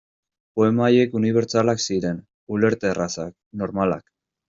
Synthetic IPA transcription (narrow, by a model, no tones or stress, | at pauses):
po̞e̞maje̞kuniβ̞e̞ɾt͡salaksiɾe̞n | ule̞ɾt̪e̞rasak̚ | no̞ɾmala̰k